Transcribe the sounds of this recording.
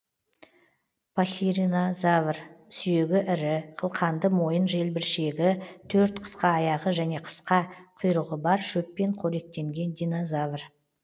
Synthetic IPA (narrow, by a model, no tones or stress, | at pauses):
pʰaxʲiɾinozavrsʏje̞ɡʲɪʔɪɾɪqʰəlˠqʰɑnd̪əmo̞jənʒe̞lbɪɾʃe̞ɡʲɪt̪ʰɵɾt̪qʰə̥sqɑːjɑʁəʒæne̞qʰə̥sqɑqʰʊjɾəʁəbɑɾʃɵpːe̞ɴqʰoɾe̞k̚t̪e̞ŋɡʲe̞nd̪ijnozavr